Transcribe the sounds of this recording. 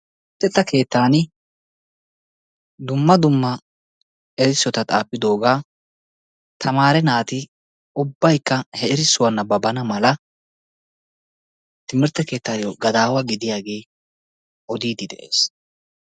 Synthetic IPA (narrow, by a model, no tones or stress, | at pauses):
t̪ːɛt̪ːɐke̞ːt̪ːaːnɪ | d̪ʊmːɐd̪ʊmːɐ | ɛɾɪsːɔt̪ɐt̪ʼaːpːɪd̪o̞ːɡaː | t̪ʰɐmaːɾɛnaːt̪ɪ | ʔʊbːɐjkːɐhɛɪɾɪsːʊwɐnːɐbɐbɐnɐmɐlɐ | t̪ɪmɪɾt̪ːɛke̞ːt̪ːaːjoɡɐd̪aːwɐɡɪd̪ɪjaːɡe̞ː | ʔɔd̪iːd̪ɪd̪ɛ̰ʔḛːs